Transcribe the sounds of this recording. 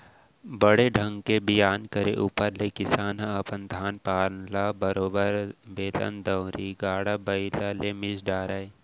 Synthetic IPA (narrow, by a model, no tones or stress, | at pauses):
bəɽeɖʱɐ̃ŋɡkebijaːnkəɾḛʔuːpəɾlekɪsaːnɦaɐpənd̪ʱaːnpaːɾnlabɐɾoːbəɾbeːlə̰nd̪ɐwɾiɡaːɽabɐilalemɪsɖaːɾae